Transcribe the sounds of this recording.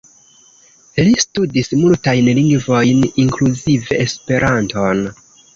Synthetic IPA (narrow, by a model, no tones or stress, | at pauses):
listudismultajnliŋɡvo̞jniŋkluzive̞ːspe̞ɾʔanto̞n